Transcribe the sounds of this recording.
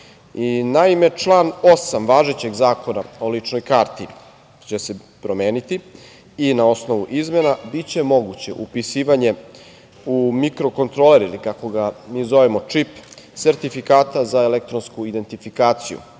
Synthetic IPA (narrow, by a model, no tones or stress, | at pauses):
inaime̞t͡ʂlˠaːno̞samʋaːʒet͡ɕe̞ɡzaːko̞naolit͡ʂno̞jkaːɾt̪i | t͡ɕe̞se̞ | pɾo̞me̞ːnit̪i | inao̞sno̞ʋuʔizme̞nabit͡ɕe̞mo̞ɡut͡ɕe̞ʔupisiːʋaɲe̞ | umikɾo̞ko̞nt̪ɾo̞leɾilikako̞ɡamiːzo̞ʋemo̞t͡ʂip | se̞ɾt̪ifikaːt̪azaelek̚t̪ɾo̞nskuid̪e̞nt̪ifikaːt̪sijṵ